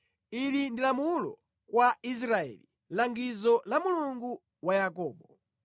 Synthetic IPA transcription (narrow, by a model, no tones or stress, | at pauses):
ilindilamulɔ | kwais̬ɾaɛ̰li | laŋɡizɔlamuluŋɡu | wajakɔːɓɔ